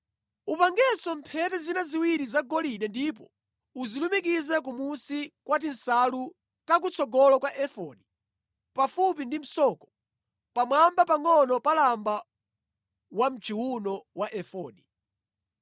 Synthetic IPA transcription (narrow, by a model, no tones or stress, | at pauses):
upaŋɡɛsɔmpʰɛtɛzinaziwiɾizaɡɔliɗɛndip̬ɔ | uzilumik̬izɛk̬umusikwatinsalu | tak̬ut͡sʰɔɡɔlɔkwaʔɛfɔni | pafup̬indim̩sɔkɔ̥ | pamwambapaŋɔnɔpalamba | wam̩t͡ʃʰiwunɔwaʔɛfɔːni